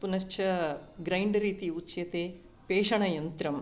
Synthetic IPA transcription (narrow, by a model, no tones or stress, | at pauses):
punɐst͡ʃʰɐɡɾɐjɳɖɾiːt̪iut͡ʃjɐt̪eː | peːʂɐɳɐjɐnt̪ɾɐm